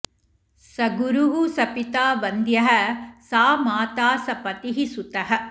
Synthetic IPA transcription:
sɐɡuɾuɦusɐpit̪aːbɐnd̪jɐɦɐsaːmaːt̪aːsɐpɐt̪iɦisut̪ɐɦɐ̆

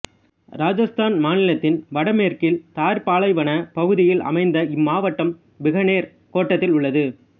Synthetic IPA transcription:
ɾaːd͡ʒɐst̪aːnmaːnɪlɐt̪ːɪnʋɐɽɐmeːɾkɪlt̪aːɾpaːɭɐɪʋɐnɐpɐɣɯðɪjɪlɐ̰mɐɪnd̪ɐɪmːaːʋɐʈːɐm | bɪɣɐneːɾ | koːʈːɐt̪ːɪlʊɭːɐðɯ

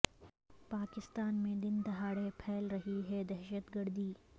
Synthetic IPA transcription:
paːkɪst̪aːnmẽd̪ɪnd̪ɐɦaːɽepʰɛːlɾɐɦiɦɛd̪ɛɦʃət̪ɡɐɾd̪iː

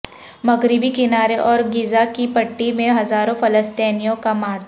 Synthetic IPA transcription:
mɐɡɾɪbikɪnaːɾeʔɔːɾɡɪzakipɐʈːimẽɦɐzaːɾõfɐləst̪ɛːnijõkamaːɽt̪

